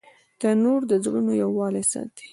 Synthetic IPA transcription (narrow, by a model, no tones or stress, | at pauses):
t̪ənoɾd̪əzɣunojawːɑlesa̰d̪i̥